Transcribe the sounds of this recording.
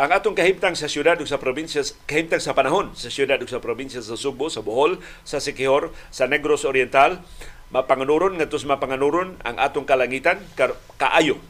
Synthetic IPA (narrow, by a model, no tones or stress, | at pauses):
ʔaŋat̪ʊŋkahimt̪aŋsasjudad̪ʊksapɾobinsakahimt̪aŋsapanaɦonsasjudad̪ʊksapɾobinsiasasubosaboɦol | sasɛkihorsanɛɡɾosoɾjɛnt̪al | mapaŋanuɾʊnŋat̪ʊsmapaŋanuɾʊna̰ŋʔa̰t̪ʊŋkalaŋit̪anka | ka̰ʔajʊ